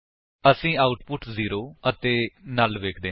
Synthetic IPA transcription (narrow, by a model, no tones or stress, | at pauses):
əsĩːaːʊʈpʊʈziːɾoːət̪eːnaːlʋeːkʰd̪eː